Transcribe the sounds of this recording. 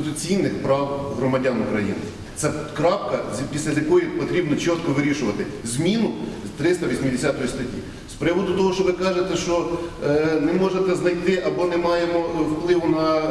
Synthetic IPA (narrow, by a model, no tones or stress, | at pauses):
ɪt̪ʊt͡sʲijnɪxpɾɑwɦɾɔmɐdʲanʊkɾɐjḭnɪ | t̪sɛkɾɑpkɐzʲpʲisʲlʲɐzʲjɐkɔjipɔt̪ɾʲibnɔt͡ʃɔt̪kɔʋɪɾʲiʃʊʋɐt̪ɪ | zʲmʲinʊt̪ɾɪst̪ɐʋʲisʲmʲɪd̪esʲat̪ɔjist̪ɐtʲḭ | spɾɪʋɔd̪ʊt̪ɔɦɔʃt͡ʃɔʋɪkɑʒet̪ɛʃt͡ʃɔ | nɛmɔʒet̪ɛznɐjt̪ɪʔɐbɔnɛmɑjemɔwplˠɪʋʊnɐ